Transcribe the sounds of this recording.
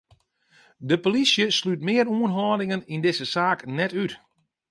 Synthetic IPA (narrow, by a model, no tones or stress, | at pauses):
dəpolisjəslyt̚mɪːəɾuənɦɔːdɪŋənindɪsəsaːknɛtyt